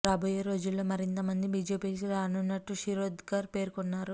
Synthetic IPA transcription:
ɾaːbɐjeɾo̞ːd͡ʒulːo̞ːmɐɾint̪ɐmɐnd̪ibiːd͡ʒe̞ːpiːkiɾaːnunːɐʈːuʂiɾoːd̪ɡaːɾpe̞ːɾkɔnːaːɾu

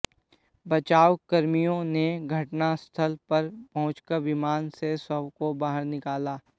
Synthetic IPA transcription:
bɐt͡ʃaːwkɐɾmijõneɡʱɐʈnast̪ʰəlpɐɾpɐɦʊ̃t͡ʃkəɾʋɪmaːnsesəbkobaːɦəɾnɪkaːlaː

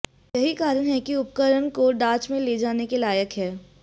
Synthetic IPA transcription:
jɐɦikaːɾənɦɛkiʊp̚kəɾəɳkoɖãːt͡ʃmẽled͡ʒaːnekelaːjəkɦɛː

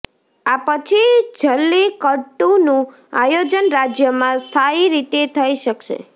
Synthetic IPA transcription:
apət͡ʃʰid͡ʒʱəlːekəʈunũ | ajod͡ʒənɾad͡ʒjəmãst̪ʰaiɾit̪et̪ʰəiʃəkʃḛ

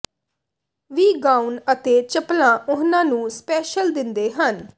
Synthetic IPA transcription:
ʋiːɡaːunət̪eːt͡ʃəplãːʔʊɦnãːnũːspɛːʃəld̪ɪnd̪eːɦən

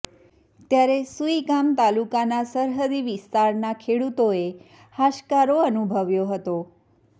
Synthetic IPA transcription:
t̪jaɾesuikamt̪alukanasəɾɦəd̪iʋist̪aɾnakʰeɽut̪oe | haʃkaɾoənubʱəʋjoɦət̪o

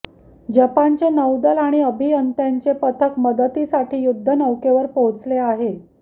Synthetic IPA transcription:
d͡ʑəpant͡ɕenəwd̪əlaɽ̃iəbʱiənt̪jaɲt͡ɕepət̪ʰəkməd̪ət̪isaʈʰiːjud̪ʱːənəwkeʋəɾpot͡sleaɦe

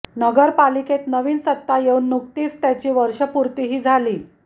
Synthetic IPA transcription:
nəɡəɾpaliket̪nəʋiːnsət̪ːajeunːuk̚t̪iːst̪jat͡ɕiːʋəɾʂəpuɾt̪iɦiːd͡zʱaliː

